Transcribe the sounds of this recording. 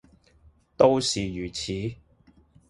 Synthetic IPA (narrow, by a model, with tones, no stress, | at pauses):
t̪o˥wsiː˨jyː˨˩t͡sʰiː˨˥